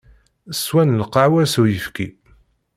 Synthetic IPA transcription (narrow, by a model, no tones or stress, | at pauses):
swænləqɑʕwæɾsujəfki